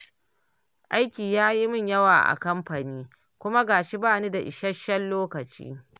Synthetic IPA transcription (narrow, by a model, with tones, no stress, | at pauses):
ʔa˦jkʲiː˨jaː˦ji˦mɪ˦˨ɲjɐ˦waː˨ʔa̰˨kɐ˦mɸa˨niː˦ | kʷʊ˦ma˦ɡaː˨ʃi˦baː˦˨niː˦da˨ʔɪ˨ʃɐ˦ʃɐ˦lloː˦kɐ˨t͡ʃḭː˦